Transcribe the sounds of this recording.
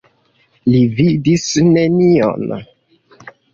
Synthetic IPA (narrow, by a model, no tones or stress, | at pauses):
lividisnenio̰n